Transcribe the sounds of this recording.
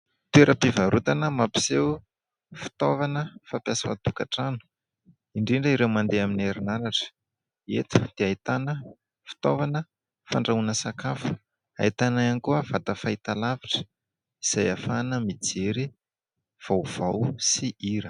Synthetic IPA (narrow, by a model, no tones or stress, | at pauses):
t̪ueɾʔəpivaɾut̪anəmapi̥sew | fi̥t̪ovanəfapjasafa̰t̪ukaʈ͡ʂanu̥ | iɳɖ͡ʐiɳɖ͡ʐəiɾewmand̪eamineɾinaɾaʈ͡ʂə̥ | ḛt̪u̥d̪̥eait̪anə | fi̥t̪ovanə | faɳɖ͡ʐaunəsakafu̥ | a̰it̪anaankuəv̥at̪əfait̪alaviʈ͡ʂə̥ | iz̥ajafanəmid͡zeɾi | v̥awv̥awsiiɾə